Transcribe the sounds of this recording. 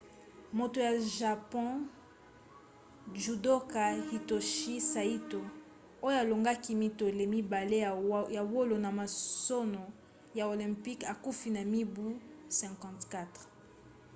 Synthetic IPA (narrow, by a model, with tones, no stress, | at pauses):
mo˨to˨ja˨ʒa˨pɔ̃˦ | ʒu˨do˦ka˨hi˨to˨ʃi˦sa˨i˦to˨ | o˦jo˦a˨lo˨ŋɡa˦ki˦mi˦to˨le˨mi˦ba˨le˦ja˨wo˦lo˨na˨ma˨so˦no˨ | ja˨o˨lɛ̃˨mpi˦ka˨ku˦fi˨na˨mi˦bu˦sɛ̃˨kɑ̃˨tka˦tʁ